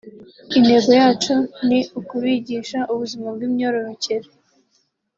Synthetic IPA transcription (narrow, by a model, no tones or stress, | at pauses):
ine̞ɡo̞jaːt͡ʃoniukuβiːɟiːʃaʔuβuzimabɡiːmɲo̞ɾo̞ɾo̞ceɾe